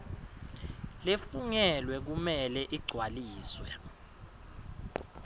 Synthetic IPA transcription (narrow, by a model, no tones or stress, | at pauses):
lefuɲɛlwɛk̬umɛlɛʔiɡ͡ǀʱwaliːswɛ